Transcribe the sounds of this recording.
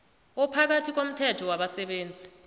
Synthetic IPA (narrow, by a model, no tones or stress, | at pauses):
ɔpʰak̬atʰik̬om̩tʰɛtʰɔwaɓasɛɓeːnd͡zʱi